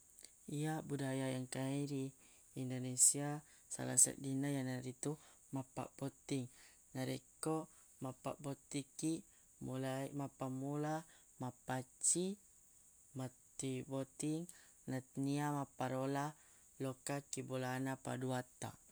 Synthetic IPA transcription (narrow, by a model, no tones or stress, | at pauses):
ijabudajajaŋkaiɾiː | ndonesia | sa̰la̰sa̰ʔ̚dinajanaɾit̪u | mapa̰ʔbot̪iŋ | naɾeko | mapa̰ʔbot̪iki | mulamapamula | mapat͡ʃi | mat̪ibot̪iŋ | nat̪niamapaɾola | lokakibolanapa̰duat̪a̰